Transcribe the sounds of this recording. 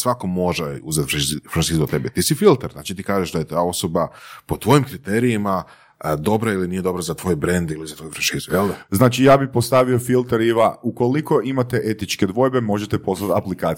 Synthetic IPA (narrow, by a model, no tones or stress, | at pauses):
sʋakomo̞ʒeuzat̪fɾafɾaʃizat̪e̞bɛt̪isifilˠt̪eɾzna̰t͡ʃit̪iːkaːʒeʒd̪ajet̪ao̞sobapo̞t̪ʋo̞jimkɾit̪eɾijima | d̪o̞bɾailinije̞d̪o̞bɾazat̪ʋo̞ːjbɾend̪ilizat̪ojfɾaʃizujeld̪znaːt͡ʃijaːbipost̪aʋiofilˠt̪eɾiʋauko̞liko̞ʔimat̪eʔe̞t̪it͡ʃke̞d̪ʋo̞jbe̞mo̞ʒet̪e̞po̞slat̪aplikaːt̪